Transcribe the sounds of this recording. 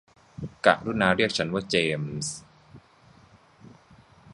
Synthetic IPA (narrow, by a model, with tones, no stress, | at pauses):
ka̰˨ʔɾuː˥˩naː˧˥ɾi˥˩ək̚t͡ɕʰa˦˥nwaː˥˩t͡ɕeː˧ms